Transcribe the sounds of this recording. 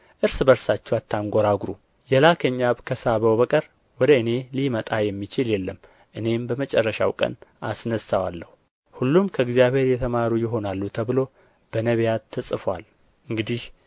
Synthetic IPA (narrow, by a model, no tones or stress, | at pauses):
ʔɨɾsbəɾsat͡ʃːɛwat̪ʰːaŋɡʷoɾaɡɾu | jɛlakʰəɲːaβkʰəsaβəwβəkʼəɾ | wɔd̪əɨne̞limət̪ʼajɛmːit͡ʃɪljɛlːəmː | ʔɨne̞mbəmət͡ʃʼɛrːəʃa̰wkʼə̰nasnəsawalːəhu | hulːumkʰəɨɡzijaβhe̞ɾjɛt̪ʰəmaɾujɪɦo̞nalːut̪ʰəβɨlo̞ | b̥ənəβjat̪ʰːɨsʼɨfwa̰l | ʔɨŋɡɨd̪ih